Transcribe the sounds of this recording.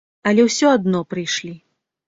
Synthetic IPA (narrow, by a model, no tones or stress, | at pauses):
ɐlʲɛwsʲɔad̪nɔpɾɨjʂlʲi